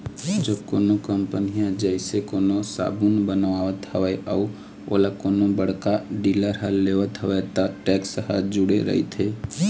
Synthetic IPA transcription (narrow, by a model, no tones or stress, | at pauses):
d͡ʒəbkoːnokəmpənijãd͡ʒəɪsekoːnosa̰ːbunbənʋaːʋət̪həʋəeʔəː | oːlakoːnobəɽ̤kaɖiːləɾɦəlːeːʋət̪ɦəʋət̪aʈɛːksəɦa̰d͡ʒʊɽeɾə̰ɦḭt̪ʰeː